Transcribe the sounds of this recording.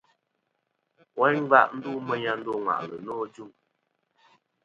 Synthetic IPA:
wɛ˦ɲ˦va̰˦˨ʔn̩˦du˦mə˦ɲa˦n̩˦do˦˨ŋwa̰˨ʔlə̰˨nɔː˦d͡ʒu˦˨ŋ

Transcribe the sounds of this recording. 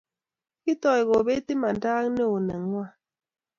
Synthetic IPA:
ki˦tɔ˨jɣɔ˨be˦ti˦ma˨ndaː˦ŋne˦o˨nɛ˨ŋwa˦˨

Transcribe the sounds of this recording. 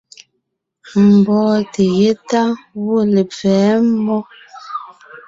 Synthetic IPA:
m̩˨bɔː˦te˨je˦ta˦wo˦˨le˨fɛː˨˦m̩˦bɔ˦

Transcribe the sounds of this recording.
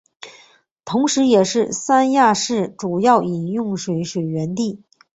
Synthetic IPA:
t̪ʰʊ˧˥ŋʂɻ̩˧˥jɛ˨˩ʂɻ̩˥˩sa˥nja˥˧ʂɻ̩˥˩ʈ͡ʂu˨˩jɑ˥˩ʊi˨˩njʊ˥˩ŋʂwe˧˥ɪʂwe˨˩ɪɥɛ˧˥nt̪i˥˩

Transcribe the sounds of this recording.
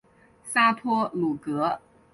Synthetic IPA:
sa˥pʰɔ˥lu˨˩kɤ˧˥

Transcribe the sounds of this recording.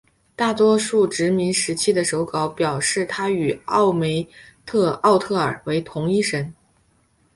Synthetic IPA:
t̪a˥˩t̪wɔ˥ʂu˥˩ʈ͡ʂɻ̩˧˥mi˧˥nʂɻ̩˧˥t͡ɕʰi˥d̪ə˨ʂo˧˥ʊkɑ˧˥ʊpjɑ˨˩ʊʂɻ̩˥˩t̪ʰa˥y˨˩ɑ˥˩ʊme˧˥ɪ | t̪ʰɤ˥˧ɑ˥˧ʊt̪ʰɤ˥˩ə˞˨˩we˧˥ɪt̪ʰʊ˧˥ŋi˥ʂə˧˥n

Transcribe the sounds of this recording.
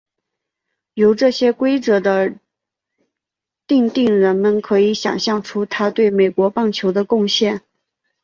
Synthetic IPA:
jo˧˥ʊʈ͡ʂɤ˥˩ɕjɛ˥kwe˥ɪt͡sɤ˧˥d̪ə˧ | t̪i˥˧ŋt̪i˥˩ŋɻə˧˥nmə˧nkʰɤ˧˥i˧˥ɕjɑ̰˨˩ŋɕjɑ˥˩ŋʈ͡ʂʰu˥t̪ʰa˥t̪we˥˩ɪme˨˩ɪkwɔ˧˥pɑ˥˩ŋt͡ɕʰjo˧˥ʊd̪ə˧kʊ˥˧ŋɕjɛ˥˩n

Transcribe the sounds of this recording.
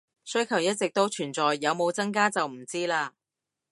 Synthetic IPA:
sɵ˥ɥkʰɐ˨˩wjɐ˥t̚t͡sɪ˨k̚t̪o˥wt͡ʃʰyː˨˩nt͡sɔː˨jːɐ˨˧wmo˨˧wt͡sɐ˥ŋk̬aː˥t͡sɐ˨wm̩˨˩t͡siː˥laː˧

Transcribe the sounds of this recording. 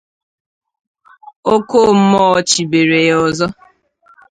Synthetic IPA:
o˦ko˦˨m̩˦mɔ˦ɔ˦˨t͡ʃi˨be˨ɾe˨jɔ˨zɔ˦

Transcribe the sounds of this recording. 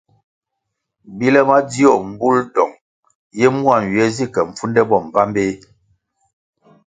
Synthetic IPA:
bi˦lɛ˦ma˦di˦ɔ˦˨m̩˨bu˦ldɔ˨ŋ | jɛ˦mu˦a˨n̩˨ɥɛ˨˦zi˦˨kɛ˨ɱ̩˨fu˦ndɛ˦bɔ˨m˨ba˦mbe˦

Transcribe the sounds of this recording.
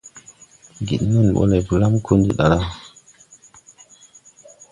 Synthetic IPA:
ɡḭ˨ɗnu˦nɓo̰˦le˨vu˨la˦mkʰu˦ndḭ˨ɗa˨la˦

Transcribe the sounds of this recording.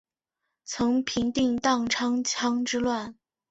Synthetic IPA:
t͡sʰɤ˧˥ŋpʰi˧˥ŋt̪i˥˧ŋt̪ɑ˥˩ŋʈ͡ʂʰɑ˥ŋʰɑ˥ŋʈ͡ʂɻ̩˥lwa˥˩n

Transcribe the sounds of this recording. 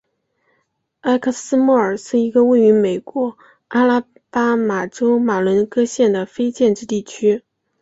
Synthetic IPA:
a˥ɪkʰɤ˥˩sɹ̩˥mu˥˩ə˞˨˩ʂɻ̩˥˩i˧˥ɡə˧we˥˩ɪy˧˥me˨˩ɪkwɔ˧˥ | a˥la˥ | pa˥ma˨˩ʈ͡ʂo˥ʊma˨˩lwə˧˥nkɤ˥ɕjɛ˥˩nd̪ə˩fe˥ɪt͡ɕjɛ˥˧nʈ͡ʂɻ̩˥˧t̪i˥˩t͡ɕʰy˥

